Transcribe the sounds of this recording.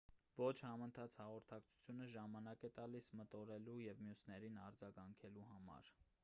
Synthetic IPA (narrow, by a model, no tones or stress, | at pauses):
vɔt͡ʃʰhɑmənt̪ʰɑt͡sʰhɑʁɔɾt̪ʰɑkt͡sʰu̥t͡sʰjunəʒɑmɑnɑkɛt̪ɑlismət̪ɔɾɛlujɛvmjusnɛɾinɑɾd͡zɑɡɑŋkʰɛluɦɑmɑ̰ɾ